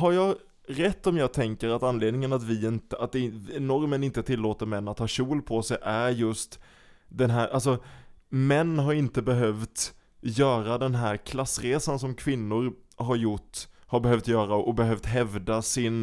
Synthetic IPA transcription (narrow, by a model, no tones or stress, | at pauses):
haɾjɑːɡ | ɾɛt̪ːɔmjɑːɡ̚t̪ʰɛŋkəɾat̪anleːd̪nɪŋənat̪vɪɪnt̪əat̪̚d̪ɛnɔɾmənɪnt̪ət̪ʰɪlːoːt̪əɾmɛnːat̪hɑːɕuːlpʰɔsɛjʔæɾjɵst̪ | d̪ɛnɦæːɾʔals̬ɔmɛnːɦaɾɪnt̪əbɛɦœvt̪ | jœːɾad̪ɛnɦæɾkʰlasːɾeːsansɔmkʰvɪnːʊɾɦaɾjʊʈːhaɾbɛɦœvt̪jœːɾaʔɔbɛɦœvt̪ɦɛvd̪asɪn